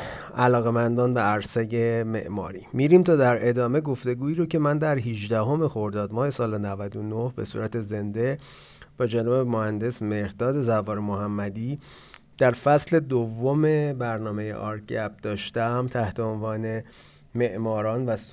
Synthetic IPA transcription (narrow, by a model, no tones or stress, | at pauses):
ʔælɒːɣe̞mænd̪ɒːnvæːɾsejeme̞̰ʔmɒ̰ːɾiːmiɾiːmt̪ʰɒːd̪æɾʔe̞d̪ɒːme̞ɡo̞ft̪e̞ɡuːiːɾocʰe̞mænd̪æɾɦiʒd̪æɦo̞me̞xo̞ɾd̪ɒːd̪mɒːhe̞sɒːlenævæd̪onohbe̞̰sṵːɾæt̪ʰe̞ze̞nd̪e̞ | b̥ɒːd͡ʒænɒːbemohænd̪e̞sme̞ɾd̪ɒːd̪e̞zævɒːɾemoɦæmːæd̪iː | d̪̥æɾfæsle̞d̪ovːome̞bæɾnɒːme̞jḛʔɒːɾkʰæb̚d̪̥ɒːʃt̪æmt̪ʰæht̪ʰe̞onvɒːne̞ | me̞ʔmɒːɾɒːnvæs